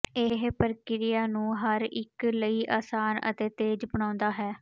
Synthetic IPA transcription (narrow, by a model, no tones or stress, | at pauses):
ɪɦpəɾkɪɾɪjaːnũːɦəɾɪ̰kləiːʔaːsaːnə̰t̪eːt̪eːd͡ʒbəɳ̃ãːʊnd̪aːɦɛː